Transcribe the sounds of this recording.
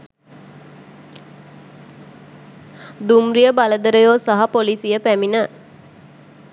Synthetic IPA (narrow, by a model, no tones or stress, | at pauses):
d̪umrijəbaləd̪əɾəjoːsaɦapolisijəpæminə